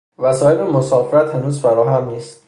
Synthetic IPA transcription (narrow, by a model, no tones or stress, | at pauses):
væsɒːhebemosɒːfeɾæt̪hænuːzfæɾɒːɦæmniːst̪